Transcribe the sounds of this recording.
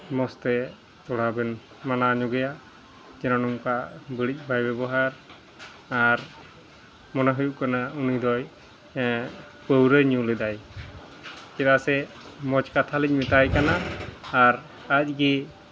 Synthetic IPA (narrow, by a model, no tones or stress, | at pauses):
mɔst̪ɛ | t̪ɔɽabɛn | manaɲuɡɛja | d͡ʒɛnɔnɔmkabəɽic̚ˀbʱajbɛbɔɦaɾ | aɾ | mɔnaɦujuʔkanaunid̪ɔj | pəwɾəjɲulɛd̪aj | kɛt̪asɛ | mɔt͡ʃkat̪ʰalɛc̚mit̪ajkanaː | ɾ | ac̚ɡi